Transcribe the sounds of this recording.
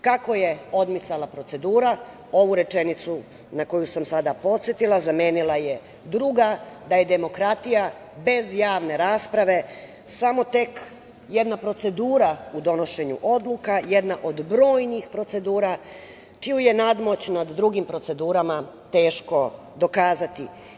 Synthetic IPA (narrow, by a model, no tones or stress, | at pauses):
kako̞je̞o̞d̪mit̪salˠapɾo̞t̪se̞d̪uːɾa | o̞ʋuɾe̞t͡ʃe̞nit̪su | nako̞jusamsad̪apo̞t̪sjet̪ilˠazame̞ːnilˠaje̞ | d̪ɾuɡad̪aje̞d̪e̞mo̞kɾat̪ija | be̞zjaːʋne̞ɾaːspɾaʋe̞ | samo̞t̪e̞k | je̞d̪napɾo̞t̪se̞d̪uːɾaud̪o̞no̞ʃe̞ɲṵʔo̞d̪lukaje̞d̪naʔo̞d̪bɾo̞ːjnixpɾo̞t̪se̞d̪uːɾa | t͡ʃioje̞nad̪mo̞t͡ɕnad̪ːɾuɡimpɾo̞t̪se̞d̪uːɾama | t̪e̞ːʃko̞ | d̪o̞kaːzat̪i